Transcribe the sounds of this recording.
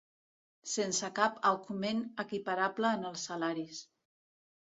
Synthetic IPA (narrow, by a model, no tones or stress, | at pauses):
sensəkapəkumenəkipaɾabləːnəlˠsːalaɾis